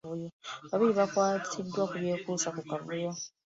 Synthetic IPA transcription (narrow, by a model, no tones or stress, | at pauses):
βujoβaβiɾiβakwaːtʰidwakuβjeːkuːsakukaβujo